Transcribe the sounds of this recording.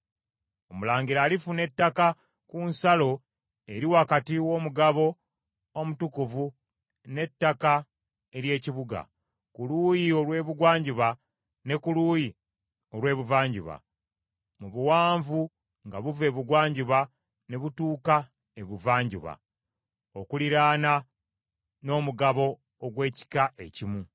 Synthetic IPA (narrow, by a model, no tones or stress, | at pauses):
o̞mulaːɲɡiɾaːlifune̞tːaka | kunsalo̞ | e̞ɾiwakatiwo̞ːmuɡaβo̞ː | mutukuvu | ne̞tːaka | e̞ɾje̞ːciβuɡa̰ | kuluːjio̞lwe̞ːβuɡwaːɲɟuβa | ne̞kuluːji | o̞lwe̞ːβuvaːɲɟuβa̰ | muβuwaːɱvu | ŋɡaβuve̞ːβuɡwaːɲɟuβa | ne̞βutuːka | e̞βuvaːɲɟṵβa̰ | okuliɾaːna | no̞ːmuɡaβo̞ː | ɡwe̞ːci̥kaʔe̞cimu